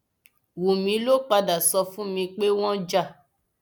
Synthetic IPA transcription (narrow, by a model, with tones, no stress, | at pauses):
wu˨mĩ˧˦lo˦k͡pa˧da˨sɔ˧fũ˦mĩ˧k͡pe˦w̃ɔ̃˦d͡ʒa˦˨